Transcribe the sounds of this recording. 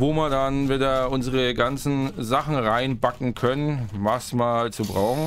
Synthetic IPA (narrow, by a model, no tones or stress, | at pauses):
voːmiːɐdanvɪdaʔʊnzəʁəɡant͡sn̩zaχn̩ʁaɪnbakŋ̩kʰœnənvasmaːlt͡subʁaʊxŋ̩